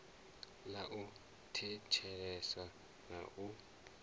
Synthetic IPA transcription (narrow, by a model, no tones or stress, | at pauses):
laʔu | tʰɛt͡ʃʰɛlɛsa | na̰ʔu